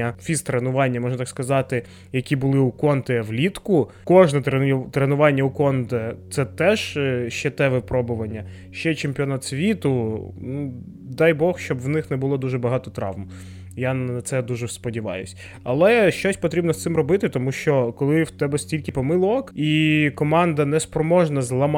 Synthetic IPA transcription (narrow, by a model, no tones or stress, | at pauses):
ɐfʲist̪ɾenʊʋɑnʲːɐmɔʒnt̪ɑkskɐzɑt̪ɪ | jɐkʲibʊlˠɪukɔnt̪ɛʋlʲit̪kʊ | kɔʒnɛt̪ɾet̪ɾenʊʋɑnʲːɐukɔnd̪ɐt̪sɛt̪ɛʒ̥ʃt͡ʃɛt̪ɛʋɛpɾɔbʊʋɐnʲːɐ | ʃt͡ʃɛt͡ʃempʲiɔnɑt̪sʲʋʲit̪ʊnu | d̪ɑjbɔxʃt͡ʃɔbwnɪxnɛbʊlˠɔd̪uʒɛbɐɦɑt̪ɔt̪ɾɑ̰ʋm | janɐt̪sɛd̪uʒɛspɔdʲiʋɑ̰jʊ̰sʲ | ɐlˠɛʃt͡ʃɔsʲpɔt̪ɾʲibnɔst̪sɪmrɔbɪt̪ɪt̪ɔmuʃt͡ʃɔkɔlˠɪwt̪ɛbɛsʲtʲilʲkɪpɔmɪlˠɔkikɔmɑnd̪ɐnɛspɾɔmɔʒnɐzlˠɐm